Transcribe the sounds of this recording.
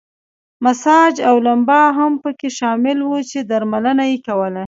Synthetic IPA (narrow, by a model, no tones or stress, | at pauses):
masɑd͡ʒawlambɑɦampəkeʃɑmɪlwut͡ʃed̪aɾmalənajekawəla